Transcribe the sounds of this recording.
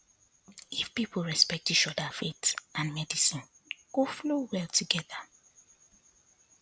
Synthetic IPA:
ifpipl̩ˠɹɛspɛk̚tit͡ʃɔdafetʔãnmɛdisĩn | ɡ̥oflowɛltʰuɡɛða

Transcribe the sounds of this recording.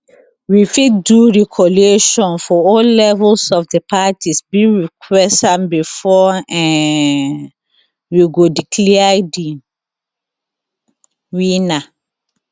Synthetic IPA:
wifiduɹikʰɔleʃɔ̃nfɔɔllɛvɛlsɔfdepʰatisbiɹikʰwɛstãmbifɔɛ̃ | wiɡodikʰlɛadi | wina

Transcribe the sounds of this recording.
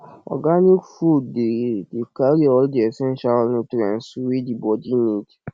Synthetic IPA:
ɔ̰ɡanikfuddedikaɾiɔldiɛsɛ̃nʃalnutɾɛ̰̃nswidibɔdinid

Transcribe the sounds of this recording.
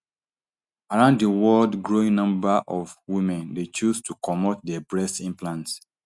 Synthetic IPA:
aɹãʊ̃nddəwɔldɡɹoĩŋnʌ̃mbaʔɔvwimɛ̃ndet͡ʃustʰukʰɔmɔt̚dɛbɹɛstĩnplãnts

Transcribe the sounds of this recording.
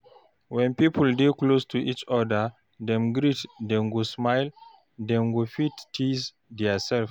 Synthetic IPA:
wɛ̃npipəldeklostʰuʔit͡ʃɔdə˞ | d̪ɛ̃mɡɾitd̪ɛ̃nɡosmaɪl | d̪ɛ̃nɡofittʰiz | d̪ɛəsɛlf

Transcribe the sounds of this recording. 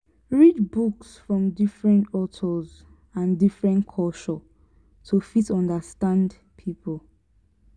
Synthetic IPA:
ɹidbuksfɹɔ̃mdifɹɛ̃ntɔtʰɔz | ãndifɹɛ̃nkʰɔʃɔ | tʰufitɔ̃ndəstãnd | pʰipʰolˠ

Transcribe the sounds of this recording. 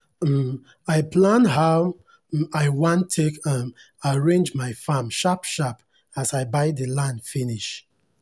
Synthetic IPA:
aɪpʰlãnɦaʊ | aɪwãntʰːekʌ̃m | aɹẽnd͡ʒmaɪfamʃapʃap | asaɪbaɪdəlãndfiniʃ

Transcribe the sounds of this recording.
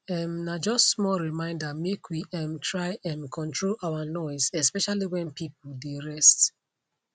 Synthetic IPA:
ɛmnad͡ʒɔstmɔɹimãɪ̃ndamekʰwiɛmtʰɹaɪɛ̃nkʰɔ̃ntʰɹolawanɔɪsɛspɛʃaliwɛ̃npipl̩deɹɛst

